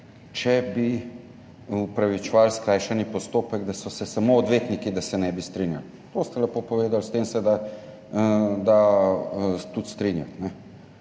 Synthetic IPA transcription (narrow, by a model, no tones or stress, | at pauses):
t͡ʃɛbi | upɾaʋit͡ʃɛʋalskɾaːjʃanipɔst̪oːpɛɡd̪asɔsɛsamoːd̪ʋeːt̪nikid̪asɛnɛbist̪ɾinjal | t̪ost̪ɛlɛpoːpɔʋeːd̪alst̪eːmsɛd̪a | d̪a | t̪ut̪st̪ɾinjat̪nɛ